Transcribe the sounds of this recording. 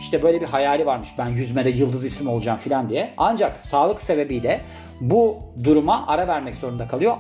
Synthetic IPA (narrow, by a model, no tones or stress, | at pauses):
iʃt̪ʰɛbø̞jlʲɛbiɦajaːlʲivaɾmɯʃbænjyzmɛd̪ɛjɯlˠd̪ɯzisimo̞lˠud͡ʒaːmfilʲand̪ijɛand͡ʒaksaːlˠɯkse̞be̞bijlʲɛ | bud̪uɾumaʔaɾavæɾmɛczo̞ɾund̪akʰalˠɯjo̞